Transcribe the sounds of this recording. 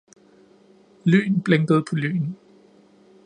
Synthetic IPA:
ly̰ːn̩b̥leŋɡ̥əð̞̩ˠpʰɒ̽ly̰ːn̩

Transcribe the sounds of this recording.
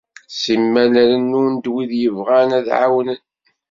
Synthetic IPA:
simːælæɾənːund̪wiðjəvʁanæðʕa̰wənən

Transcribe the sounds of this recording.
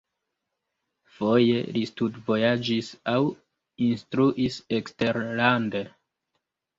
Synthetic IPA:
fo̞je̞̰listutvo̞jad͡ʒisaw | instɾuʔiseksteɾlande

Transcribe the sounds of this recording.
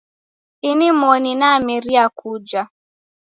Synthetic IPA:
inimɔninamiɾiakud͡ʒa

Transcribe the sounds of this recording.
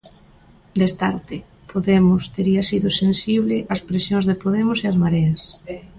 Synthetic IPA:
d̪est̪aɾt̪ɪ | pʰoðemʊst̪eɾiɐsiðʊsensiβ̞lɪʔɐspɾesjõnzðepoðemʊseɐzmaɾɛɐs

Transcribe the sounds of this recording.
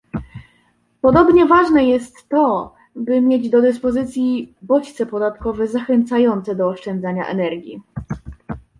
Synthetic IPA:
pɔd̪ɔbɲɛvaʐnɛjɛst̪ːɔ | bɘmʲjed͡ʑd̪ɔd̪ɘspɔzɘt̪sʲjibɔt͡ɕt̪sɛpɔd̪at̪kɔvɛzaxɛnt̪sajɔnt̪sɛd̪ɔːʂt͡ʂɛnd̪zaɲa̰ʔɛ̰nɛɾɡʲji

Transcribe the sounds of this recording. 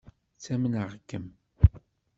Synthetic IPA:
t͡sːæmənəʁkːəm

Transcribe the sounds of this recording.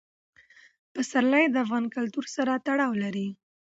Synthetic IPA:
pəsaɾlajd̪əafɣɑnkalt̪uɾsaɾat̪aɽɑwlaɾi

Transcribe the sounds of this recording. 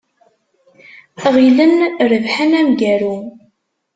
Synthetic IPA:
ʁilənɾəvħənæmɡæɾu

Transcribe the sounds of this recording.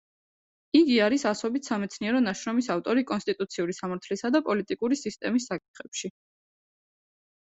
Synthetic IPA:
iɡiaɾisasɔbit̪ʰsamɛt̪sʰniɛɾɔnaʃɾɔmisaft̪ʼɔɾikʼɔnst̪ʼit̪ʼut̪sʰiuɾisamaɾt̪ʰlisad̪apʼɔlit̪ʼikʼuɾisist̪ʼɛmisːakʼi̥t̪ʰχɛpʃi

